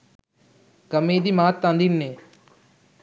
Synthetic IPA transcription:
kəmẽːd̪iːmaːt̪ːãːnd̪iːnneː

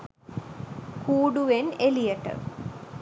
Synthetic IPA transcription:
kuːɽuʋenelijɐʈːɐ̰

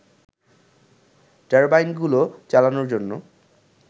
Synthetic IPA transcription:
daɹbajnɡulot͡ɕalanoɹd͡ʑonːo

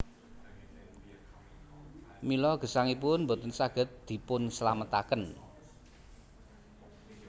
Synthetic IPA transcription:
milɔɡ̥ə̤saŋip̬ʊnmbo̤t̪ənsaɡ̥ə̤t̪̚d̪̥i̤pʊnsəlamət̪akən

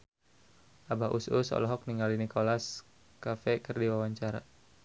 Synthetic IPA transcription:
ʔabaʔususɔ̰lɔɦɔk̚niŋɡalinikolas | kafɛkərdiwawaɲt͡ʃaɾa̰

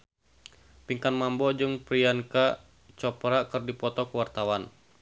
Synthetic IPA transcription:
piŋkanmambɔd͡ʒɨŋpɾianka | t͡ʃɔpɾakɨrdipɔt̪ɔkəwart̪awan

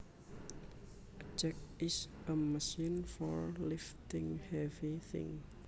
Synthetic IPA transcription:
d͡ʒɛk̚ɪs | əməʃinfɔɹlɪft̪ɪ̃ŋhɛviθɪ̰̃ŋ

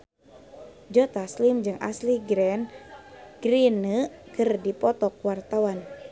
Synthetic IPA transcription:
d͡ʒɔt̪aslimd͡ʒɨŋʔa̰sliɡɾɛn | ɡ̥ɾinəkɨrdipɔt̪ɔk̚wart̪awan

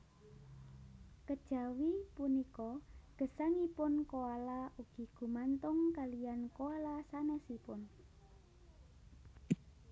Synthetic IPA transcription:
kəd̥ʒ̥a̤wipunikɔɡ̥ə̤saŋipʊnkoalaʔuɡ̥i̤ɡ̥ṳmant̪ʊŋkalijankoalasanɛsipʊn

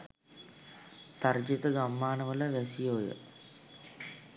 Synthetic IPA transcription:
t̪ard͡ʒet̪əɡamːaːnəʋələʋɛsijojə̰

